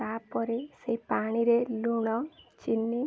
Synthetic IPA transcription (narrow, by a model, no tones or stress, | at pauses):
apːɔɾeseipaɽ̃iɾeluɽ̃ɔt͡ʃinːi